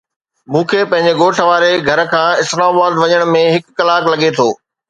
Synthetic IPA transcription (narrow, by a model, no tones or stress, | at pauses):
mũːkʰeːpɐ̃ɦɪ̃ɲd͡ʑeɡoːʈʰʋaːɾeɡʱɐɾkʰãːɪslaːmabaːd̪ʋɐɲəɽ̃mẽɦɪkːɐlaːklɐɠet̪ʰoː